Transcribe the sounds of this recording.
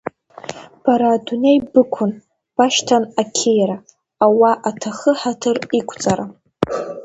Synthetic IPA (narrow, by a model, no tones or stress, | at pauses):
b̥aɾaːdune̞jbɨkʷʰʊn | b̥aʃtʰanakʲʰejɾaː | waʔatʰaχəħatʰɨrikʷʰʼt͡sʼaɾa